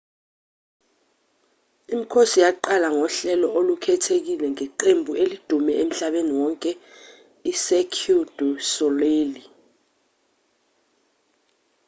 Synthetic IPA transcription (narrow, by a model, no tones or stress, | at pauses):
im̩kʰosijaǃalaŋɔɬɛlɔʔolukʰɛtʰek̬ilɛŋɛǃembʱuelid̥ʱumɛem̩ɬaɓeniwɔŋkʼɛ | isekʰud̥ʱusɔleːli